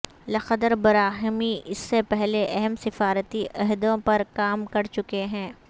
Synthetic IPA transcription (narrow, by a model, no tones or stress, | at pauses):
lɐxəd̪əɾbɐɾaːɦɪmiɪsːepɛɦleʔɛɦɛmsɪfaːɾət̪iʔɐɦd̪õpɐɾkaːmkɐɾt͡ʃʊkeɦɛ̃ː